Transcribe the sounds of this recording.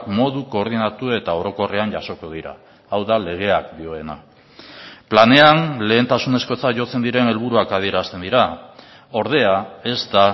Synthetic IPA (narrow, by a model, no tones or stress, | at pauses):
kmo̞ðuko̞ːɾðinat̪ue̞t̪ao̞ɾo̞ko̞re̞anɟaso̞ko̞ð̞iɾa̰ː | wðale̞ɣ̞e̞akd̪io̞e̞na | plane̞anle̞ːnt̪asune̞sko̞t͡saʝo̞t͡se̞nd̪iɾe̞ne̞lβ̞uɾuakað̞ie̞ɾast̪e̞nd̪iɾa | o̞ɾð̞e̞ae̞zt̪a